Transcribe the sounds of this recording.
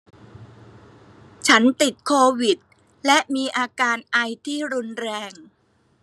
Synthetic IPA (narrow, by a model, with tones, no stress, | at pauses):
t͡ɕʰa˦˥nt̪i˨˩t̪̚kʰoː˧wi˨˩t̪̚ | lɛ˦˥ʔmiː˧ʔaː˧kaː˧nʔa˧jt̪ʰiː˥˩ɾu˧nɾɛː˧ŋ